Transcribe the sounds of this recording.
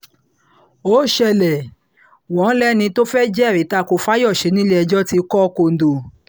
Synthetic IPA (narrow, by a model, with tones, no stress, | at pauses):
o˦ʃɛ˧˨lɛ˨ | wɔ̃˨˦lɛ˦nĩ˧to˦fɛ˦d͡ʒɛ˦˨ɾi˨˦ta˦˨ko˧fa˦jɔ˦˨ʃe˧˦nĩ˦le˦˧d͡ʒɔ˦ti˧kɔ˦ko˧n̩˨do˧˨